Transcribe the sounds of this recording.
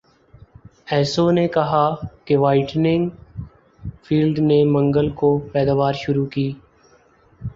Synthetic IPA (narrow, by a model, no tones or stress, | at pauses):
ɛːsonekɐɦakeʋaːɪʈnɪ̃ŋɡ | fʰiːlɖnemɐ̃ŋɡəlkopɛːd̪aːʋaːɾʃʊɾukiː